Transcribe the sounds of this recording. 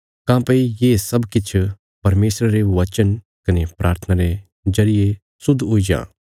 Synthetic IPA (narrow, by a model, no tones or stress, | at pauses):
kãːpɐijeːsɐbkɪt͡ʃʰ | pɐɾmeːsɾaɾeʋɐt͡ʃən | kɐnepɾaːɾt̪ʰənaɾe | zɐɾɪje | sʊd̪ʱːɦoid͡ʒã̰ː